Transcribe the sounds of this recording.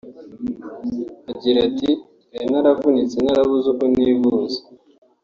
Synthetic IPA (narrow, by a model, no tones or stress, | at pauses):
aɟiɾati | enaɾavunit͡senaɾaβuzukoniːvuːze̥